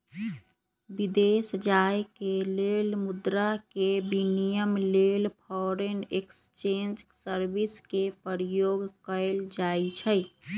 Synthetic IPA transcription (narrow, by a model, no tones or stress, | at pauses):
bid̪esd͡ʒajkelelmud̪ɾakebinijəmlelpʰɔɾenekst͡ʃend͡ʒsəɾbiskepəɾijoɡkəɪld͡ʒait͡ʃʰəj